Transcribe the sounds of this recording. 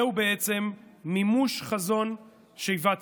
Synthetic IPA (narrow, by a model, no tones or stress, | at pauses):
ubeet͡se̞mːimuʃχazo̞n | ʃeivat͡s